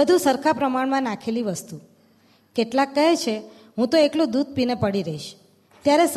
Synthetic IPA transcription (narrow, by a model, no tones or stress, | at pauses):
əd̪ʱũsəɾkʰapɾəmaɳmãnakʰeliʋəst̪u | keʈlakːəɦet͡ʃʰe | ɦũt̪oeklũd̪ud̪̚ʱpinepəɽiɾəɦiʃ | t̪jaɾes